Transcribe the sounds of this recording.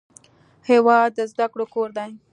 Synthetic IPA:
hewɑd̪̚ːəzd̪akɽokoɾd̪aj

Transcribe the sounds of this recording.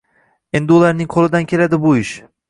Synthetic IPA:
end̪uːlˠaɾɯninkʰo̞lˠud̪ancʰelʲed̪ibuiʃ

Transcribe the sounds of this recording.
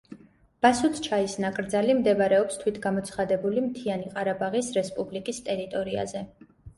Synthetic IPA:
b̥asut̪ʰt͡ʃʰaisnakʼɾd̪zalimd̪ɛvɾɛɔpst̪ʰwit̪ʰɡamɔt̪sʰχad̪ɛbulimt̪ʰianiqʼaɾabaʁisɾɛspʼublikʼist̪ʼɛɾit̪ʼɔɾia̰zɛ

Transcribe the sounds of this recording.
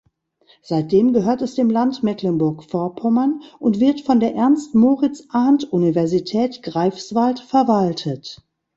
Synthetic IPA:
z̥aɪt̚d̥eːmɡəɦøːɐtɛsd̥eːmlantmɛklɛnbʊɐkfɔɐpʰɔmɐnʔʊntv̥ɪɐtfɔndeːɐʔɛɐnstmoːʁɪt͡sʔaɐntʔunivɛɐzitʰɛːtɡ̥ʁaɪfsv̥altfɛɐvaltʰət

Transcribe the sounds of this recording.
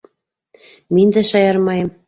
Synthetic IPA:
mind̪æʃɑjɑɾmɑjɤm

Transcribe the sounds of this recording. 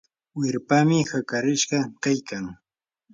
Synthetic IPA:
wɪɾpamɪxakaɾɪʃɢɑkajkaŋ

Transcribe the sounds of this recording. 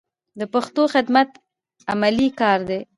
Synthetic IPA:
d̪əpaxt̪oxɪd̪mat̪ | amalikɑɾd̪e

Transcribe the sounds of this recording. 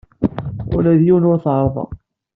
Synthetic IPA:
ʊ̰læðjiwənʊɾθʕɾˤðˤɑ̰

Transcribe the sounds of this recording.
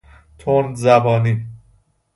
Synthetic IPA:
t̪ʰonzæbɒːni

